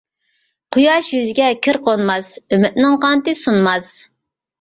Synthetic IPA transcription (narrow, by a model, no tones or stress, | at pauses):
qʰʊjɑʃjyzɪɡʲɛkʲʰiɾqʰonmɑsømɪt̪̚nɪŋqɑnt̪ɨsunmɑz